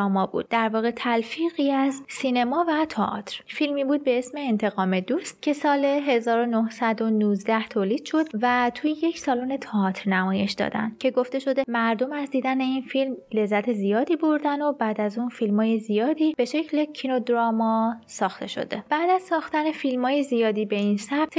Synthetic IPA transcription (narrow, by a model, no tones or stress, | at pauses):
ɒːmɒːbṵːd̪̚ːæɾvɒːɣe̞t̪ʰælfiːɣiːæzsine̞mɒːvæt̪ʰɒʔɒ̰t̪ʰɾ̥filmiːbuːd̪̚be̞esme̞ːnt̪ʰe̞ɣɒːme̞d̪uːst̪cʰe̞sɒːle̞ɦe̞zɒːɾo̞nohsæd̪o̞nuːzd̪æht̪ʰoːliːd̪̥ʃo̞d̪væt̪ʰujejecsɒːluːne̞t̪ʰɒɒːt̪ʰɾnæmɒːje̞ʃd̪ɒ̰ːd̪æ̰nd̪̥̚cʰe̞ɡo̞ft̪e̞ʃo̞d̪e̞mæɾd̪o̞mæzd̪iːd̪æne̞infilmle̞zːæt̪ʰe̞zijɒːd̪iːbo̞ɾd̪æno̞bæːd̪æzuːnfilmɒːjezijɒːd̪iːb̥e̞ʃe̞cʰle̞cʰino̞d̪ɾɒːmɒsɒːxt̪e̞̰ʃo̞̰d̪e̞b̥æːd̪æzsɒːxt̪æne̞filmɒːjezijɒːd̪iːbe̞insæb̚t̪ʰ